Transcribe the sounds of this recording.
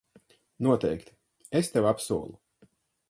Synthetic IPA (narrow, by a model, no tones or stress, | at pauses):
nuɔt̪ɛjkt̪i̥ | est̪ewapsuɔlˠu